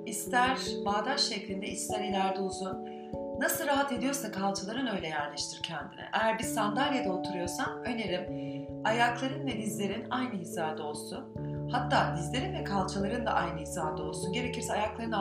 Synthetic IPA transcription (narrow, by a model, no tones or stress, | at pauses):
ist̪ʰæɾbaːd̪aɾʃɛclʲind̪ɛist̪ʰæɾilʲæɾd̪uzunː | asɯlˠɾaɦat̪e̞d̪ijo̞ɾsakʰalˠt͡ʃʰalˠaɾɯnø̞jlʲɛjæɾlʲeʃt̪ʰiɾcʰɛnd̪ḭnɛ̰ʔejæɾbizsand̪alʲjad̪aot̪ʰuɾujo̞ɾsanø̞neɾim | ajaklˠaɾɯnvɛd̪izlʲe̞ɾinajnɯɦizaːd̪ao̞lˠsun | hat̪ʰːaːd̪izlʲe̞ɾinvɛkʰalˠt͡ʃʰalˠaɾɯnd̪a̰ʔajnɯizaːd̪ao̞lˠsunɟe̞ɾe̞cʰiɾsɛajaklˠaɾɯn